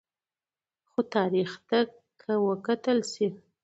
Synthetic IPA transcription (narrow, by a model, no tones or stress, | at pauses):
xot̪ɑɾixt̪a | kʰːəwəkat̪əlsi